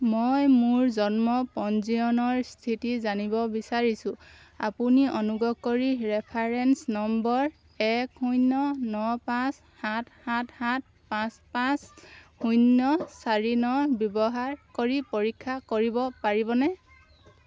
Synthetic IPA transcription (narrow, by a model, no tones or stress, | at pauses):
mojmʊɹzɔnmɔpɔnziɔnɔɹstʰitizanibɔbisaɹisʊ̃ | a̰puniʔɔnuɡɔkːoɹiɹɛpʰaɹɛnsnɔmbɔɹ | ɛkhujnːɔnɔpãs | hathathat̚ | pãspãshunːɔsaɹinɔbjɔbɔɦaɹkoɹipoɹikʰːakoɹibɔpaɹibɔnɛ